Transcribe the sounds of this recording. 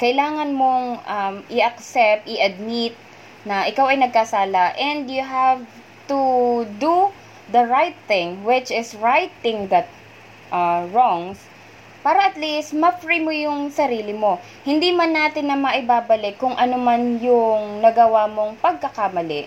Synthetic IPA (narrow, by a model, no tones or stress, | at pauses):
kɐʔɪlaːŋɐnmo̞ŋʔɐmʔɪʔɐk̚sɛp̚t̪̚ɪʔɐd̪̚mɪt̪̚ | nɐʔɪkawɐjnɐɡ̚kasaːlɐʔɛ̃nd̪jʊɦav | t̪ud̪u | d̪ɐɹajt̪̚θɪ̃ŋwɪt͡ʃɪsɹajt̪ːɪ̃ŋd̪ɐt̪̚ | ʔɐɹoŋs | paːɾɐʔɐt̪list̪̚mɐfɹimojʊŋsɐɾiːlɪmo̞ | hɪnd̪imɐnːaːt̪ɪnːɐmɐʔɪbaːbɐlɪkːʊŋʔɐnomanjʊŋnɐɡɐwamo̞ŋpɐɡ̚kɐkamɐlɛʔ